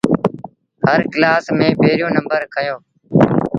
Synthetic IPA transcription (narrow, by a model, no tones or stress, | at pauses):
həɾklaːsmẽːbeːɾɪjõːnə̃mbəɾkʰəjõː